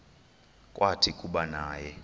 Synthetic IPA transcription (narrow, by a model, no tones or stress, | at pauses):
kʼwʔatʰikʼuɓanaːjɛ